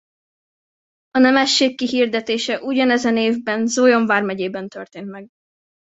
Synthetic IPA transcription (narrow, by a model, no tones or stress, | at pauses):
ɒnɛmɛʃːeːkːiɦird̪ɛt̪eːʃɛʔuɟɒnɛzɛneːvbɛnzoːjo̞ɱvaːrmɛɟeːbɛnt̪ø̰rt̪eːnt̪mɛɡ